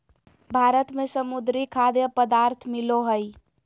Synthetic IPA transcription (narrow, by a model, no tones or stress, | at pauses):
bʱaɾət̪mesəmud̪ɾikʰad̪jəpəd̪aɾt̪ʰmiloɦəj